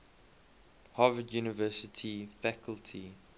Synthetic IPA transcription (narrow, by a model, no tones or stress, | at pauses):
hɑvədjuːnɪvɜsɪtʰifækʰəltʰi